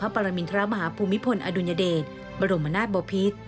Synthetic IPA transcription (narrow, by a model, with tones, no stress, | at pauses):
pʰa˦˥pa˧ɾa˧mi˧nt̪ʰa˧ɾa˦˥ma˧ɦaː˩˦pʰuː˧mːi˦˥pʰo˧nʔa̰ː˧du˧nja˧deː˨˩t̪̚ | ba˧ɾo˧ma˧naː˥˩t̪̚bɔː˧pʰi˦˥t̪̚